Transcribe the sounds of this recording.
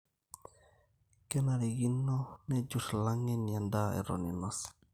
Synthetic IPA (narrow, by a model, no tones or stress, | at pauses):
kɛnaɾiɡinonɛd͡ʒuslaŋɛnjandaɛ̰ɾo̰ninas